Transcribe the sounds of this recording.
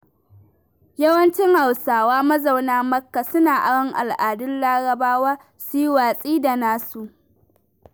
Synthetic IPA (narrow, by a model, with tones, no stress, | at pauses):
jɐ˦wɐ˦nt͡ʃɪ˦ŋha˨wsaː˨waː˦mɐ˦za˨wnaː˦mɐ˦kːa˨sʊ˦naː˨ʔa˨ɽɔ˦ŋʔa̰˨lʔaː˨dʊ˦lːaː˦ɽɐ˨baː˦waː˦ | su˦jwaː˨sʼiː˦da˨naː˦su˨ʔ